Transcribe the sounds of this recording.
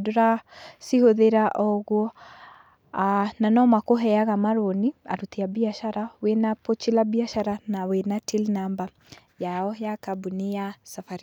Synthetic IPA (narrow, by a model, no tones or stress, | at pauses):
doɾasihoðeɾaʔɔɣwɔ | ananɔmakoɦɛjaɣamaɾonia̰ɾutiabiaʃaɾawenapot͡ʃilabiaʃaɾanawenatilnamba | jaɔjakabunijasafaɾi